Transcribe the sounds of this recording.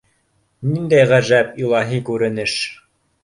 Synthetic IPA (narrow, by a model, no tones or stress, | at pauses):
nind̪æjʁæʒæpilˠɑɦikʉɾɘ̆nɘʃ